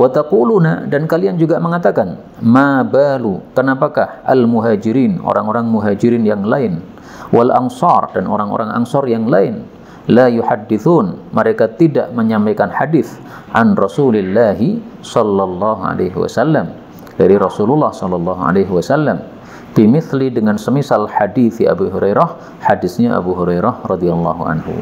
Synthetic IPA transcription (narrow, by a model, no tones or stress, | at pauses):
wat̪aquluna̰dankaliand͡ʒuɡaməŋat̪akan | mabalukənapakahʔa̰lmuɦaːd͡ʒiɾiːno̰ɾaŋoɾaŋmuɦad͡ʒiɾinjaŋlaɪn | walʔa̰nsɑrdano̰ɾaŋo̰ɾaŋa̰ŋsɑrjaŋlaɪn | lajuħadːiθunməɾekat̪ida̰ʔməɲampajkanħadɪθ | ʔanrɔsulɪlːaɦisɔlːɑlːɑɦua̰laɦiwa̰salːam | daɾiɾɔsululːɑhsɔlːɑlːɑɦua̰leɦwasalːam | pimɪθlidəŋansəmisalħadiθia̰buɦuɾejɾah | hadɪsɲaʔa̰buɦuɾejɾahrɑdialːɑɦuʕa̰nɦṵ